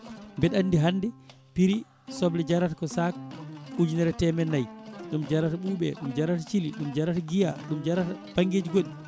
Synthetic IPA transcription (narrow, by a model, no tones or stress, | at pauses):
mbɛɗanːdiɦanːdɛ | piɾi | sɔblɛd͡ʒaɾatakɔsak̚ud͡ʒinɛɾɛtɛmɛnːajɗumd͡ʒaɾataɓuːɓɛ̰ɗumd͡ʒaɾatat͡ʃiliɗumd͡ʒaɾataɡijaɗumd͡ʒaɾatapaŋɡed͡ʒiɡoɗi